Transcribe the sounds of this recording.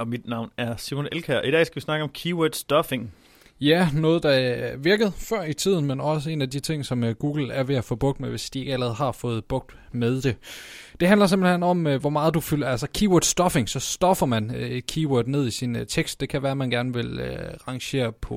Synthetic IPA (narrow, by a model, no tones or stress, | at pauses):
ɒ̽mid̥nɑ̈ʊ̰næɐsimonelkʰæɐ̰ʔid̥ɛ̰ːsɡ̥æʋisnɑ̈ɡ̥əɒ̽mkʰiːwod̥sd̥ɒfeŋ | jænɔ̽ːð̞̩ˠd̥ɑ̈ʋiɐɡ̥əð̩ˠfɶɐ̰it͡sʰið̞̰ˠn̩menɒ̽səe̝̰ːnædit͡sʰe̝ŋ̰sɒ̽mɡ̥uːɡ̥l̩æɐʋe̝æfɔ̽ːb̥ɔ̽ɡ̥̚d̥meʋe̝sd̥ie̝ɡ̥ælɐʁɛːð̩ˠɦɑ̈fɔ̽ːð̞̩ˠb̥ɔ̽ɡ̥̚d̥ | meðˠd̥e̝d̥e̝ɦændlɐse̝mb̥l̩henɒ̽mʋɒmɑ̈ːð̞̩ˠd̥ufylælsɐkʰiːwod̥sd̥ɒ̽fe̝ŋsɒ̽sd̥ɒ̽fɐmænkʰiːwod̥ne̝ð̞̰ˠisint͡sʰeɡ̥sd̥̚e̝kʰæʋæːɐmænɡ̥æɐnʋe̝løʁɑ̈ŋɕe̝̰ːɐpʰɒ̽